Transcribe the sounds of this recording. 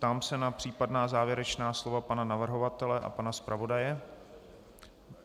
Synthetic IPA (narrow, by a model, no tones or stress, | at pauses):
t̪aːmsɛnapr̝̥iːpadnaːzaːvjɛɾɛt͡ʃnaːslo̞vapananavr̩ɦo̞vat̪ɛlɛʔa̰panaspɾavo̞dajɛ